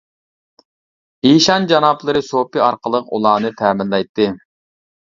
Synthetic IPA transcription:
iʃɑnd͡ʒɑnɑplˠɨɾɨsopiɑɾqʰəlˠəqṵlˠɑːnɨt̪ʰæmɪlːˠɑjt̪ːɨ

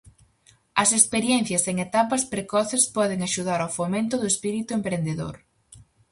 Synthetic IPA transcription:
ɐsekspeɾjɛn̟θjɐseŋet̪apɐspɾekɔθespɔð̞eŋaʃuð̞aɾawfomẽnt̪ʊðʊespiɾit̪ʊempɾend̪eðo̰ɾ

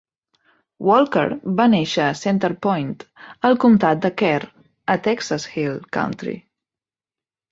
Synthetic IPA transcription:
wɔlˠkə̰ɾβaneʃəːsent̪əɾpɔjnt̪əlˠkumt̪at̪̚d̪əkɛɾ | ət̪ɛksashilˠka̰wnt̪ɾḭ

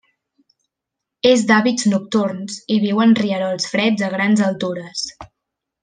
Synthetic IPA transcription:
ezd̪aβid͡znuk̚t̪uɾnsiβ̞iwənriəɾɔlˠsfɾɛd͡zəɣɾanzəlˠt̪uɾəs

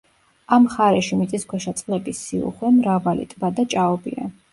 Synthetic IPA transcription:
amχaɾɛʃimit̪sʼiskʰʷwɛʃat̪sʼχlɛbisiṵχwɛmɾavalḭt̪ʼbad̪at͡ʃʼaɔbḭa̰

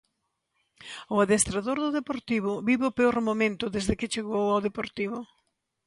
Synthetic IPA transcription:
ʊaðest̪ɾaðoɾðʊðepoɾt̪iβ̞ʊβiβeʊpeoɾmomẽnt̪ʊðezðɪkɪt͡ʃeɣowawðepoɾt̪iβʊ

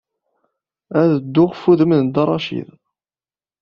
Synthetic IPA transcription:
æðəd̪ːʊʁfuðəmənd̪ɑrˤːɑʃḭð

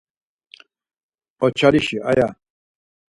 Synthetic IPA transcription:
ɔt͡ʃʰaliʃiaja

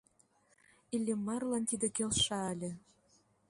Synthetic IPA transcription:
ilʲːemːɑrlɑnt̪id̪ĕkelʃɑːlʲĕ

